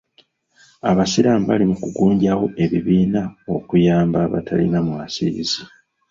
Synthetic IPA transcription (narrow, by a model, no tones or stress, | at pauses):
aβasiɾaːmba̰limukuɡuːɲɟawo̞ʔe̞βiβiːnao̞kujaːmbaβa̰tʰalinamuasizi